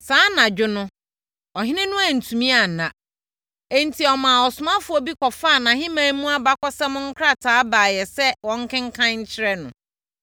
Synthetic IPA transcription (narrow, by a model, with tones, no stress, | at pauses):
sãː˨˦nã˨d͡ʑᶣʊ˦nʊ̃˦ | ɔ˨ɦɪ˦nɪ̃˦nʊ̃˦a˨n̩˨tʰũ˨mĩ˦a˨nã˨ | e˦n̩˨tʰi˨ɔ˨mãː˨ɔ˨sʊ˨mã˦fʊ˦ɔ˦bi˦kʰɔ˨faː˦˨nã˨ɦɪ̃˦mãː˦mũ˦a˦ba˦kɔ˦sɛ˦mʊ̃˦ŋ̩˦kʰɾa˦tʰaː˨˦baː˨jɛ˨sɛ˦wɔ̃˦ŋ˦kʰɪ̃˦ŋ̩˦kʰã˦ɲ̩˦t͡ɕʰɪ˦ɾɛ˦nʊ̰̃˨